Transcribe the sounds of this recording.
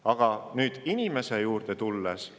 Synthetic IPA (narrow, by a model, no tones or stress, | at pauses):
ɑɡ̥ɑnyːd̪̥inime̞se̞juːrd̪̥et̪ulːes